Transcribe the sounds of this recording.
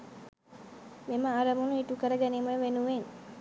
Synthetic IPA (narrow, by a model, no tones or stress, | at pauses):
meməaɾəmunuiʈukəɾəɡæniməjəʋenuʋen